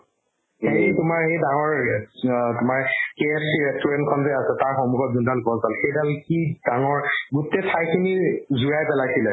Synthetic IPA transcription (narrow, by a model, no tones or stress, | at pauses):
hetʊmaɹhejdaŋɔɹ | tʊmaɹkeɛsiɹɛstuɹɛntkʰɔnzejasɛtaɹxɔmuɡɔt̚zundalbɔzpalxejdalkid̥aŋɔɹɡutɛtʰajkʰinizuɹajpɛlakʰilɛ